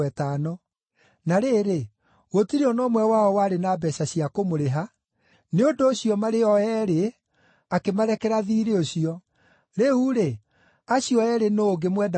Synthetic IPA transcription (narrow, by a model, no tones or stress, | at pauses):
ɛtaːnɔ | naɾeːɾe | ɣotiɾeɔnɔːmwɛwaɔwaɾenabɛɕaɕiakomoɾeɦa | neondoːɕiɔmaɾeɔɛɾe | akemaɾɛkɛɾaðiɾeoɕiɔ | ɾeuɾe | aɕiɔɛɾenoːɡemwɛda